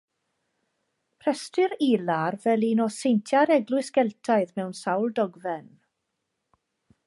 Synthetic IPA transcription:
pʰr̥ɛstɨɾilarvɛlˠinɔsejntʰjaɾɛɡlˠʊɨsɡ̥ɛlˠtʰaɨðmɛwnsawlˠdɔɡvɛn

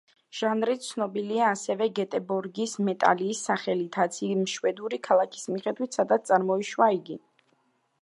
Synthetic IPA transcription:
ʒ̥anɾit̪̚tsʰnɔbiliaːsɛvɛɡɛt̪ʼɛbɔɾɡismɛt̪ʼa̰liːsːaχɛlit̪ʰat̪sʰiimʃwɛd̪uɾikʰalˠakʰi̥smiχɛd̪wit̪ʰsad̪at̪st̪ʼaɾmɔiʃwaiɡi

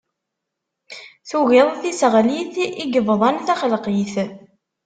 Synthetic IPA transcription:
θuɣɪðˤθisʁliθiɡəvðˤɑnθæχəlqiθ

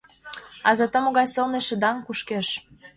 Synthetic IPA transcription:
ɑzɑt̪əmoɣɑjsɤ̆lneʃə̆d̪ɑŋkuʃkeʃ

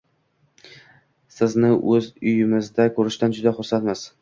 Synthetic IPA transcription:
sɪznɪʔɵzʊjɪmɪzd̪akʰɵɾɪʃt̪and͡ʒʊd̪aχʊɾsat̪mas

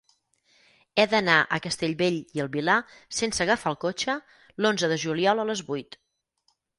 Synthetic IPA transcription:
ɛðənaʔə̰kəst̪eʎβeʎiəlˠβila | sensəɣəfaəlˠkot͡ʃə | lonzəðəʒuliɔlˠələzβujt̪

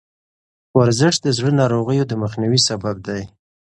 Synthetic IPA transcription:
waɾzɪʃd̪əzɽənɑɾoɣəjod̪əməxniwisabab̚d̪aj

